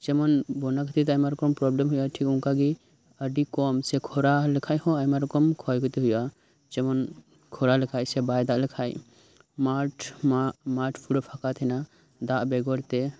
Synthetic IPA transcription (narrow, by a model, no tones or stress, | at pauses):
d͡ʒɛmɔnbɔnakət̪it̪ajmaɾɔkɔmpɾɔblemɦujaʈʰikuŋkaɡi | əɖikɔmsɛkʰɔɾaləkʰajɦɔ̃ajmaɾɔkɔmkʰɔjkɔt̪iɦuja | d͡ʒɛmɔn | kʰɔɾaləkʰajsɛbajd̪aʔləkʰaj | maʈʰamaʈʰpʰuɽɔpʰakat̪ʰɛna | d̪aʔbɛɡɔɽt̪ɛ